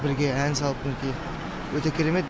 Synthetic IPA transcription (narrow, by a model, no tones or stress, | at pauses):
bɪɾɡʲe̞ænsɑlˠəp̚ɪnkʲej | wɵt̪ekʲʰeɾeme̞t̪